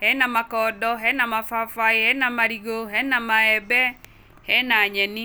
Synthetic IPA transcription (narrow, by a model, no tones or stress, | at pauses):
hɛnamakɔːdɔɦɛnamafafaihɛnamaɾiɣoɦɛnamaɛbɛ | hɛnaɲɛni